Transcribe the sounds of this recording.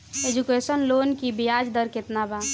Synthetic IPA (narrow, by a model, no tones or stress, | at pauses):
ed͡ʒukesənlonkibijad͡ʒd̪əɾket̪naba